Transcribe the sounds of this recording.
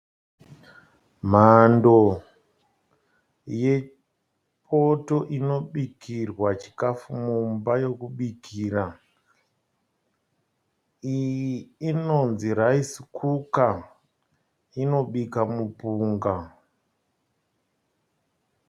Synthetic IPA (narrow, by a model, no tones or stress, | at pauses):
m̤ando̞ | je̞ | pʰoto̞ʔino̞ɓikirwat͡ʃi̥kafumumbajo̞kuɓikʰiːra | iː | no̞nziɾaisi̥kʰuka | ino̞ɓikamupuːŋɡa